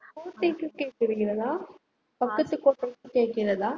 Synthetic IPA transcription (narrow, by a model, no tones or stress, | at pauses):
koːʈːɐjkːɯkeːʈ̚kɪɾɯɣɪɾɐðaː | pɐkːɐt̪ːɯkːoːʈːɐjkːɯkeːʈkɪɾɐðaː